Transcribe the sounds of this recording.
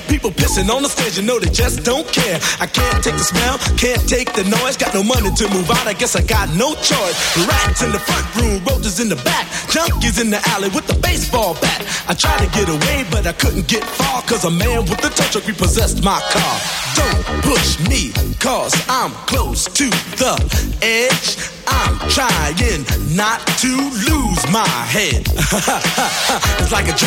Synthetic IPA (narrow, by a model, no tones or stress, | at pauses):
pipl̩ˠpʰɪsɪ̃ŋə̃nðəsteɪd͡ʒɨnoʊðeɪd͡ʒʌsd̥õʊ̃nkʰɛɹaɪkʰæ̃ntʰeɪk̚ðəsmɛlˠkʰæ̃ntʰeɪk̚ðɨnɔɪzɡɑtⁿnoʊmʌniɾɨmuvaʊɾaɪɡɛsaɪɡɑtⁿnoʊt͡ʃʰɔɪsɹæɪzɨ̃nðəfɹʌ̃nʔɹʉ̃mɹoʊtɨzɨ̃nðɨbæk̚d̥ʒ̥ʌ̃mkizɨ̃nðiʔælˠiwɨðəbeɪsb̥ɔlˠbækaɪtʰɹ̥aɪtɨɡɛɾəweɪbʌɾaɪkʰʊdⁿn̩ɡ̥ɛtfɑɹkʰʌzəmæ̃nwəðɨtʰʌt͡ʃɨkɹipəzɛstmaɪkʰɑɹdõʊ̃n̚pʰʊʃmikʰʌzãɪ̃mkʰl̥oʊstʰɨðəɛ̥ʒ | ʔãɪ̃mtʰɹ̥aɪɪ̃ŋnətʰɨluzmaɪɦɛd̥ | ɨtslaɪkɨd͡ʒ